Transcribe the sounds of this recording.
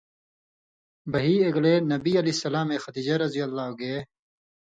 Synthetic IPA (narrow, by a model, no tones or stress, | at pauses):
bɐɦiːeɡlenɐbiɐlisɐlaːmẽːxɐd̪iːd͡ʑaɾɐzijɐlːaːoɡee